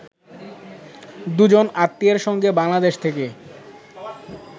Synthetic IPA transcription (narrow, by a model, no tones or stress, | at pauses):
d̪ud͡ʑonat̪ːieɾʃɔŋɡebaŋlad̪eʃt̪ʰeke